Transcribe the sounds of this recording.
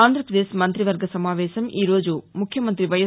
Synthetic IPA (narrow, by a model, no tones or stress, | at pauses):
aːnd̪ʱɾɐpɾɐd̪eːʃmɐnt̪ɾiʋɐɾɡʱɐsɐmaːʋeːʃɐmiːɾoːd͡ʒumukʰjɐmɐnt̪ɾiʋɐjɐ